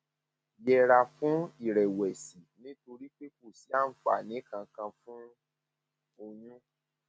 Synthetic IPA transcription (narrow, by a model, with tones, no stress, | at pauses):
jɛ˧ɾa˧fũ˦i˦˨ɾɛ˨wɛ˨si˨nĩ˦to˧ɾi˦k͡pe˦ko˦˨si˨˦a˦˨n̩˦fa̰˨nĩ˨˦kã˧kã˧fũ˦ | o˧jũ˦